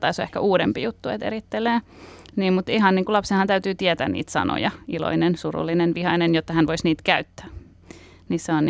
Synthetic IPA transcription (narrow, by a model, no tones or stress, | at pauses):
t̪ɑisoehkæʔuːɾempijut̪ːuḛt̪ḛɾit̪ːeleː | niːmmut̪iɦɑnniːŋkulɑpsenhɑnt̪æyt̪yːt̪iɛt̪æ̰ːnnḭːt̪sɑ̰no̰jɑilo̰inensurṵlːinenʋihɑinenjot̪ːɑhænʋoisniːt̪kæyt̪ːæ̥ː | niseon